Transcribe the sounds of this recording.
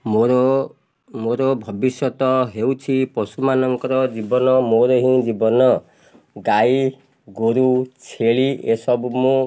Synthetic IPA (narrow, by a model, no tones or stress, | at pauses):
moɾɔ | moɾɔbʱɔbisjɔt̪ɔɦewt͡ʃʰipɔsumanɔŋkɔɾɔd͡ʒibɔnɔmoɾɔɦĩd͡ʒibɔnɔ | ɡai | ɡoɾut͡ʃʰeɭiesɔbmũ